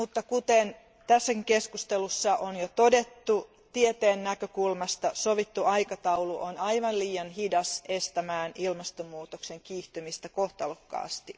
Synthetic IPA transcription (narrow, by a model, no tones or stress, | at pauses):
mut̪ːɑkut̪en | t̪æsːækiŋkeskust̪elusːɑʔonjot̪odet̪ːu | t̪iet̪eːnːækøkulmɑst̪ɑsoʋit̪ːuɑikɑt̪ɑuluʔonɑiʋɑnliːjɑnhidɑsest̪æmæːnilmɑst̪omːuːt̪okseŋkiːht̪ymist̪ækoht̪ɑlokːɑ̰ːst̪i